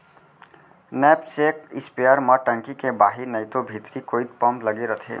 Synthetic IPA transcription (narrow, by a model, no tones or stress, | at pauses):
nɛːpseːk̚ɪspiaɾməʈə̃ŋkikebaːɦinəɪt̪obʱit̪ɾikoːid̪̚pəmpləɡeɾət̪ʰḛː